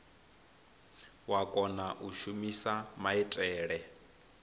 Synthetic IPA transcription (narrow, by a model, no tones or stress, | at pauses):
wakʼɔnaʔuʃumisamaɛtʼɛːɺɛ